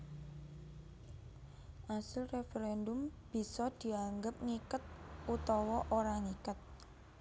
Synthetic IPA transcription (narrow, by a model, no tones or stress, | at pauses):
ʔasɪlrefeɾɛndʊmb̥i̤sɔd̪̥i̤aŋɡəp̚ŋikət̪̚ut̪ɔwɔʔoɾaŋikət̪̚